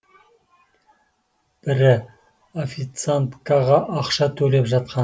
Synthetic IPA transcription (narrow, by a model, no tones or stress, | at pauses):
b̥ɪɾɪ | ofit̪sant̪kaʁɑʔːqʃɑt̪ʰɵle̞pʒɑt̪̚qɑ